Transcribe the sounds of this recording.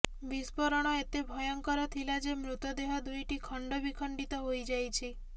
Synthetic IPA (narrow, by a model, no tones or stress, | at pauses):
bispɔɾɔɽ̃ɔet̪ebʱɔjɔŋkɔɾɔt̪ʰilad͡ʒemɾut̪ɔd̪eɦɔd̪ujʈikʰɔɳɖobikʰəɳɖit̪ɔɦojd͡ʒajt͡ʃʰe